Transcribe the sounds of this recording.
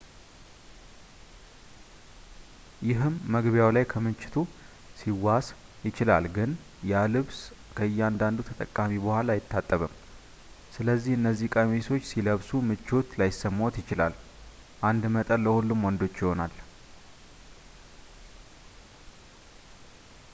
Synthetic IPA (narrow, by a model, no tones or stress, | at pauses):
jɪɦɨmːəɡβjawlajkʰəmɨnt͡ʃːɪ̥t̪ʰu | siwasjɪt͡ʃɪla̰lɡɨn | jalɨβs | kʰəɨjːɛand̪and̪ut̪ʰət̪ʼəkʼːamibəhʷalaːjɪt̪ʰːat̪ʼːəβɨm | sɨləzːihɨnːəzːihkʼamiso̞t͡ʃːsiləβsumɨt͡ʃːo̞t̪lajɪsːəmːawt̪jɪt͡ʃɪla̰l | ʔand̪mət̪ʼənləhulːumwɔnd̪o̞t͡ʃːjɪho̞nal